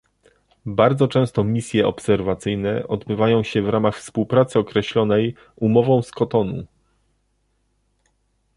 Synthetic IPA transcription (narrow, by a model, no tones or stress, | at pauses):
baɾd̪zɔt͡ʂɛ̃w̃st̪ɔmʲisʲjɛʔɔ̰psɛɾvat̪sɘjnɛʔɔd̪bɘvajɔ̃w̃ɕɛvɾamaxfspuwpɾat̪sɘɔkɾɛɕlɔnɛj | umɔvɔ̃w̃skɔt̪ɔnṵ